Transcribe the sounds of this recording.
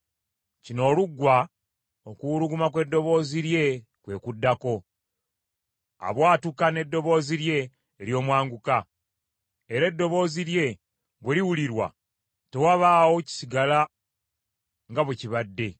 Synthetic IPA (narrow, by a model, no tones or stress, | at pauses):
cino̞ːluɡːwa | okuɾuɡumakwe̞dːo̞βo̞ːziɾje̞ | kwe̞ːkudːako̞ | a̰βwaːtukane̞dːo̞βo̞ːziɾje̞ː | ljo̞ːmwaːŋɡuka | eɾe̞dːo̞βo̞ːziɾje̞ | βweliwuliɾwa̰ | te̞waβaːwo̞ci̥siɡala | ŋɡaβeciβadːe̞